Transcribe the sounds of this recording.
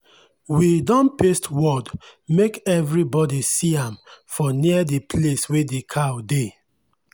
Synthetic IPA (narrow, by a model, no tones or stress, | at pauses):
widɔ̃npestʰwɔdmekɛvɹibɔdisiãmfɔniədepʰleswedekʰawde